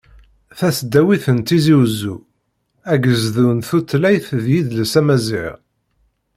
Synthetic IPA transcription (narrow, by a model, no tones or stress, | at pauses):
θæsd̪ːæwiθənt̪iziwzːu | æɡəzðunθut̪ːlæjθðjiðləsæmæziʕ̰